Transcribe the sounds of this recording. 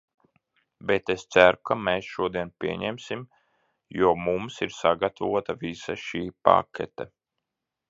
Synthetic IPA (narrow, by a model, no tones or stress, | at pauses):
bet̪est̪sæɾukameːsʃuɔd̪iɛnpʲiɛɲɛmsim | juɔmumsiɾsaɡat̪avuɔt̪avisaʃiːpa̰kʰʲɛ̰t̪ɛ